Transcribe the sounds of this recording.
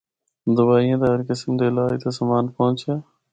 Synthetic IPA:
d̪ʊbaːɦijãːt̪əɦəɾkɪsmd̪eːlaːit̪asəmaːnpõːt͡ʃjaː

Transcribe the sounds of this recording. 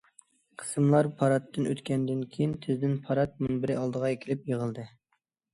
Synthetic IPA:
qʰə̥sɨmlˠɑɾpʰɑɾɑt̪ʰːɨnʔøt̪kʲʰɛnd̪ɪnkʲʰejint̪ʰɪzd̪ɪnpʰɑɾɑt̪̚munbɪɾɪɑlˠd̪əʁɑjekʲʰilɪpjeʁəlˠd̪ɨ

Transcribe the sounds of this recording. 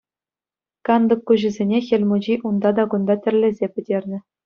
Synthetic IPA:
kɑnd̪ɤ̆kːuʑɘ̆zʲenʲexʲĕlʲmud͡ʑiʔund̪ɑd̪ɑɡund̪ɑtʲɘ̆rʲlʲĕzʲepʲɘ̆dʲerʲnʲɘ̆

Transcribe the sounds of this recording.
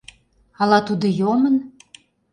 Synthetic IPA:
ɑlɑt̪ud̪ŏjomən

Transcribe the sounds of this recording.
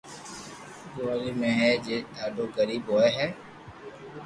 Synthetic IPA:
ɡoalimẽɦɛːd͡ʒeːd̪aːɖoːɡəɾiːbɦoːeɦɛː

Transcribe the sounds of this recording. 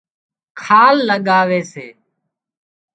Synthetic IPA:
kʰaːlːəɠaːʋeːsḛː

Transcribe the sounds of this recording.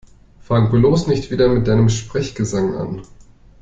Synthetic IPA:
faŋbloːsnɪçtv̥iːdɐmɪt̚d̥aɪnəmʃpʁ̥ɛçɡ̥əzaŋʔa̰n

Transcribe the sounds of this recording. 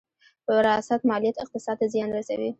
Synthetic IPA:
pəɾɪjɑsat̪mɑlijat̪ɪq̚t̪ɪsɑd̪azjɑnɾasa̰wi

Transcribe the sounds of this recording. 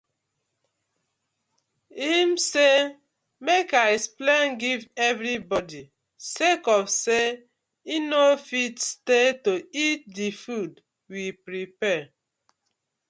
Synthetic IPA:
imse | mekasplãnɡivɛvɾibɔdi | sekɔfse | inofitstetoit̚difud | wipɾipɛ

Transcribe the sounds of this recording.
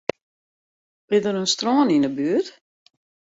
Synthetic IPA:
bɪdəɾənstrɔːninəbyət

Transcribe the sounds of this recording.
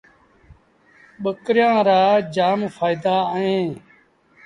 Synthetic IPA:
ɓəkɾɪjãːɾaːd͡ʒaːmfʰaːɪd̪aːəɦẽː

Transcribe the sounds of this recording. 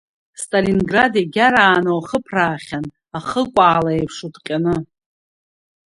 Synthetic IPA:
stʼalinɡradjeɡʲaɾaːnowaχəpʰraːχʲan | aχəkʷʼaːlaepʰʂudqʲʼanɨ

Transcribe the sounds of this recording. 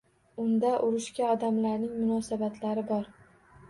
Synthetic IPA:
ʊnd̪aʔʊɾɪʃkʲaɒd̪amlaɾnɪŋmʊnɒsabat̪ʰlaɾɪbɒɾ

